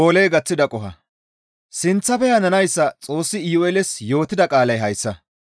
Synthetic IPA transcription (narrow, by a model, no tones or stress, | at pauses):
oːleːɡɐt͡sːɪd̪ɐkʼɔɦɐ̰ | sɪnt͡sːɐpɛjɐnɐnɐjsːɐt͡sʼo̞ːsːɪiːwɛlɛsjo̞ːt̪ɪd̪ɐkʼaːlɐjɦɐjsːɐ